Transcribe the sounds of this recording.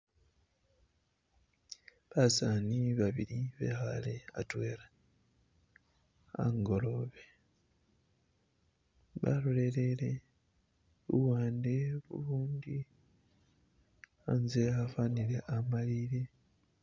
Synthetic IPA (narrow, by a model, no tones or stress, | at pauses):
βasaːniβaβiliβe̞̰ːxa̰lea̰twe̞ːla | a̰ŋɡo̞lo̞βe | βa̰lole̞le̞le̞ | βṵwaːnde̞βṵluːnd̪i | anzeafanile̞ʔamaliɾe